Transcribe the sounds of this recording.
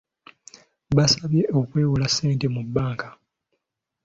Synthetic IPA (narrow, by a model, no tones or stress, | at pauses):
βasaβje̞ʔo̞kwe̞ːwulasːe̞ːnte̞mubːaːŋka